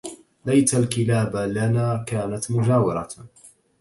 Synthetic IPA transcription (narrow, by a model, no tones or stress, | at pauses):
lajt̪alkɪlaːblanaːkaːnat̪mʊd͡ʒaːwɪɾˤɑ